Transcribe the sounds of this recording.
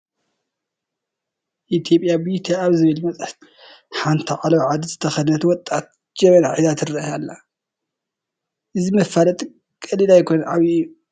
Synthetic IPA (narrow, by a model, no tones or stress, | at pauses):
ʔit̪ʰjo̞pʼːjabit̪ʰaaβzɨβɨlmɐt͡sʼɐħt̪ | ħant̪ʰiʕalɐwʕad̪izɨt̪ʰɐxɐd̪nɐt̪wɔt̪ʼat̪̚ | d͡ʒɐmɐnaħizat̪ʰɨrɐjalːa | ʔɨzimɐfalɐt̪ʼ | kʼɐlilajkʰo̞nɐnʕaβiu